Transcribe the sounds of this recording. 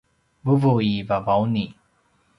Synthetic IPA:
vuvuivavawni

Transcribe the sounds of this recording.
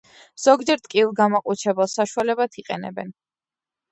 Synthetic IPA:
z̥ɔɡd͡ʒɛɾt̪ʼkʼilˠɡamaqʼut͡ʃʰɾɛbɛlˠsaʃualɛbat̪ʰiqʼɛ̰nɛ̰bɛ̰n

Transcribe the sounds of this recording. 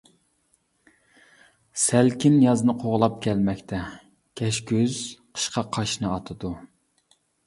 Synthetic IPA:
sælkʲinjɑznɨqʰoʁlˠɑp̚kʲʰɛlmɛkʲt̪ʰɛ | kʲʰɛʃkʲøz̥qʰə̥ʃqʰɑqʰɑʃnɨɑt̪ʰɨd̪u

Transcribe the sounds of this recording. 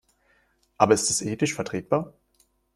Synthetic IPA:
ʔaːbɐɪstɛsʔeːtɪʃfɛɐtʁ̥eːt̚b̥aːɐ

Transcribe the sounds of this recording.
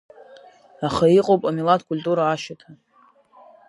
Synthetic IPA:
aχaiqʼowpʼamilatʰkʼulʲtʼuɾaːʃatʰa

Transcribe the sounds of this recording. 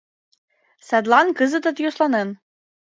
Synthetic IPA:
sæd̪lˠɑnkɤzɤ̆t̪ɤ̆t̪joslˠɑnen

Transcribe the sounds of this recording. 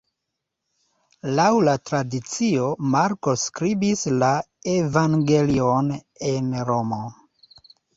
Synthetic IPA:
lawlatɾadit͡sio̞maɾkoskɾibisla | evaŋɡelion | enɾo̞mo

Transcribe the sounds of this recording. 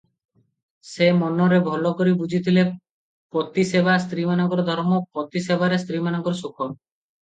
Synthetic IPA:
semɔnɔɾebʱɔlɔkoɾibud͡ʒʱit̪ʰile | pɾɔt̪isebʱas̬t̪ɾimanɔɡɔɾɔd̪ʱɔɾmɔpɾɔt̪isebʱaɾest̪ɾimanɔɡɔɾɔsokʰɔɾ

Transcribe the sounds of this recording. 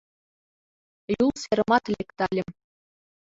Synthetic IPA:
julˠseɾɤ̆mɑt̪lʲekt̪ɑlʲɘ̆m

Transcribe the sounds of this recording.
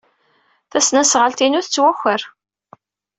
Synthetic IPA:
θæsnæsʁəlt̪inuθt͡sːwæxːəɾ

